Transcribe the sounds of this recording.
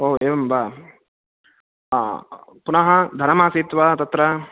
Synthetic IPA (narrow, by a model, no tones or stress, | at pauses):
oːeːʋɐmbaː | punɐɦɐd̪ʱɐnɐmaːsiːt̪ʋɐt̪ɐt̪ɾɐ